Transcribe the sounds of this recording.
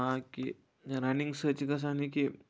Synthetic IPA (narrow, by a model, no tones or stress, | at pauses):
aki | ɾaniŋɡsət͡ɕikəs̬aniki